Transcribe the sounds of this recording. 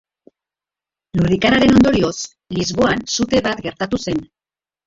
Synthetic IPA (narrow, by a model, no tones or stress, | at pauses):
lurðikaɾaɾe̞no̞nd̪o̞ɾio̞s | lizβo̞ansut̪e̞βat̪ɡe̞ɾt̪at̪use̞n